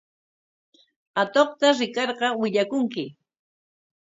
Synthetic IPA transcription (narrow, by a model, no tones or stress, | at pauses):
at̪oχt̪aɾɪkɑɾɢɑwɪʎakʊŋkɪ